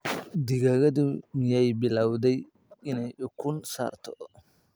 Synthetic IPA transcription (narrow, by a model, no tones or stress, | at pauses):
d̪ɪɣaɣɐd̪ʊmjɛjbɪlaːwd̪ɛj | ɪnɛjʊkʰʊnsa̰ːrt̪ʰɔ